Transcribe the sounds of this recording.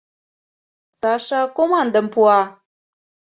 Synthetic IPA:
saʂakʼomand̪ampʰua

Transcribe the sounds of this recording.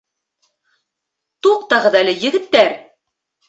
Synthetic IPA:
t̪uq̚t̪ɑʁɤ̆ðælɘjɘ̆ɡɘ̆t̪ːæɾ

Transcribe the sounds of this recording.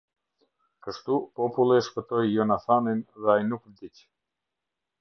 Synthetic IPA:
kəʃt̪upɔpulˠɛʃpət̪ɔjːɔnaθaninðɛajnukəɾd̪it͡ʃ

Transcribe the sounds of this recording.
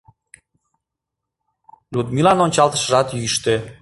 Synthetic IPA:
lud̪milɑnonʲt͡ɕɑlt̪ə̥ʃəʒɑt̪jyʃt̪e

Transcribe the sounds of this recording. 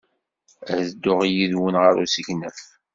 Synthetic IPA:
æhðd̪ːʊʁijiðwənʁəɾṵsiçnəf

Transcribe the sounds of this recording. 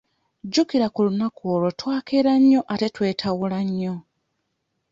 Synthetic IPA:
ɟukiɾakulunakoːlo̞twaːkeɾaɲːo̞ʔate̞twe̞ːtʰawulaɲːo̞

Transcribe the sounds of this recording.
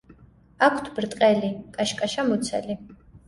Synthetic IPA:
akʰt̪ʰbɾt̪ʼqʼɛlikʼaʃkʼaʃamut̪sʰɛ̰li

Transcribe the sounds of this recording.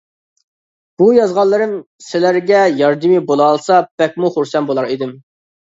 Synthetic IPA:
b̥ujɑzʁɑlˠːɨɾɪm | sɪlæɾɡʲɛjɑɾd̪ɨmibolˠɑːlˠsɑb̥ɛk̚ʲmuχʊɾsɛnbolˠɑɾid̪ɪm

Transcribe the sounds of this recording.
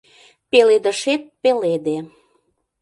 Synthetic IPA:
peled̪əʃet̪̚peled̪e

